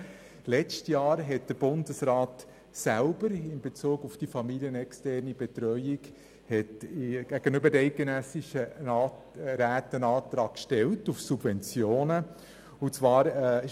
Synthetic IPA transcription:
lɛt͡stjɑːɾɦɛt̚d̥əɾb̥ʊndəsɾɑːt | sælbəɾɪnbet͡suːɡufd̥ifɑmilijənɛkstɛɾnibɛtɾœʏɪk | hɛtɡ̥æɡ̥ənʏbədɛɪt̚ɡ̥enɛsɪʃə | ɾæːtənɑːtɾɑːkkʃtɛltufsub̥vɛnt͡sjoːnə | ʊt͡sʋɑːɾ

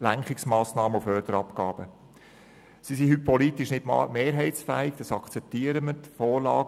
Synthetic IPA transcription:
læŋkχɪksmɑːsnɑːməufœːrd̥əɾɑpkɑːb̥ə | sisiɦypʰːɔlit̪iʃnɪtːmeːɾɦɛɪtt͡sfæːɪɡ̥d̥̪ɑsɑkʰt͡sɛp̚t̪iːəɾəmət̪fɔːɾlɑ̰ːɡ

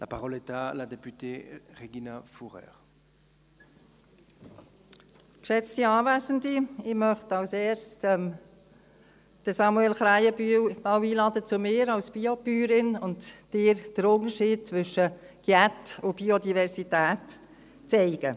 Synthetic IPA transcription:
la̰paʁɔlɛt̪alad̪epyt̪eʁeɡinafuʁɛ̰ːʁ | kʃɛt͡stiɑːvæːsəndiɪmœχtɑwsɛːɾstɛm | d̥əsɑmuɛlχɾæɪəbywbɑwiːlɑːdət͡sʊmɪːɾɑlsb̥iopyːɾɪnʊndd̥ɪːɾd̥əɾʊnəʃiːd̚t͡sʋʏʃə | ɡ̥jæt̪ʊb̥iod̪ivɛɾsitæːt | t͡sɛɪɡ̥ə

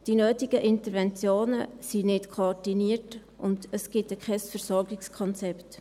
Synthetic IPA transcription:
d̥inøːtɪɡ̥əʔɪntəɾvɛnt͡sjoːnəsinɪtkʰoɔdiniət | ʊndəsɡ̥ɪtɛkʰχɛsfəɾsɔɾɡɪkskʰɔnt͡sɛpt

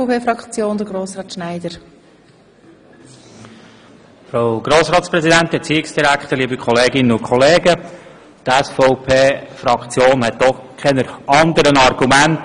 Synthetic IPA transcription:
peːfɾɑkt͡sjoːnd̪əɡɾoːsɾɑːt̪ʃnaɪdəɾ | fɾawɡ̥ɾoːsɾɑːt̪spɾɛzidænt̪ɛt͡siːɪksd̥iɾækχt̪əɾliːbəkχɔleːɡɪnənʊkʰχɔleːɡə | tɛsfɔʊpʰeːfɾɑkχt͡sjoːnhɛtdɔχkʰɛnəɑnd̪əɾənɑrɡ̥umænt

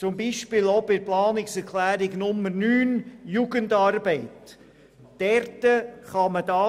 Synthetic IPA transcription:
t͡sʊmbiːʃpɪlobɪɾplɑːnɪksɛɾkʰlæːɾɪɡnʊmːəɾnyːnjuːɡəndɑɾbɛɪt | d̥ɛɾtəχɑməd̥ɑː

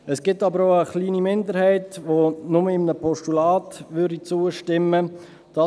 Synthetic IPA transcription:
ɛsɡ̥ɪtːɑbəɾoʊəχliːnimɪndəɾhɛɪtʋonʊməɪmənəpʰɔʃtulɑːtʋʏɾdit͡suːəʃtɪmːə | d̥ɑ

